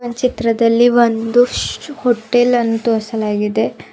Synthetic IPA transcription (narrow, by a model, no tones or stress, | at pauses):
ɐnt͡ʃit̪ɾɐd̪ɐlːiʋond̪uhoʈːelɐnt̪uɐsɐlaːɡid̪e̞